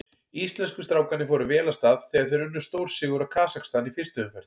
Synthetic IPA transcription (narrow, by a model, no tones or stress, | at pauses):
ist̪lɛnskʏst̪ɾaːwkanɪfɔɾʏvɛːlast̪aːðθɛːɣaɾθejɾʏnːʏst̪owɾ̥sɪːɣʏɾḁkʰaːsakst̪anifɪst̪ʏʏmfɛɾ̥t̪